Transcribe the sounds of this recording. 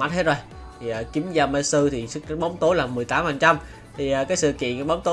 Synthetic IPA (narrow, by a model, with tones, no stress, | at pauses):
a˦˥t̚he˦˥t̚zo˧j | t̪ʰi˨˩əː˨˩ki˨˦mzaː˧mə˧˦sɨ˧t̪ʰi˨˩sɨ˦˥k̚ɓə˨˦wŋ͡mt̪o˨˦jlaː˨˩mɨ˨˩əjt̪aː˨˦mhaː˨˩ŋt͡ɕa˧m | t̪ʰi˨˩aː˨˩kaː˨˦jsɨ̰˧˨kḭ˧˨ənkːɓə˨˦wŋ͡mt̪o˨˦